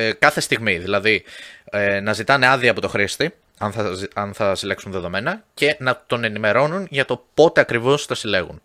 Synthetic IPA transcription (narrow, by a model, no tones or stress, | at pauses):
kɐθe̞st̪iɣmiðilɐði | nɐzit̪ɐneɐðiɐpo̞t̪oxɾist̪i | ɐnθɐɐnθɐsileksunðe̞ðo̞me̞nɐce̞nɐt̪o̞ne̞nime̞ɾo̞nunʝɐt̪o̞po̞t̪e̞ɐkɾivo̞st̪ɐsile̞ɣun